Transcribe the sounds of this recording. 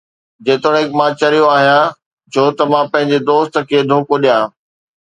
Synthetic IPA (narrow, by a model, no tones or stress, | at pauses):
d͡ʑeːt̪ɽ̃ɦɪkmãːt͡ɕɐɾijoaːɦijã | d͡ʑoːt̪ɐʋãpɐ̃ɦɪ̃ɲ̆d͡ʑed̪oːst̪̆kʰeːd̪ʱoːkoɗijãː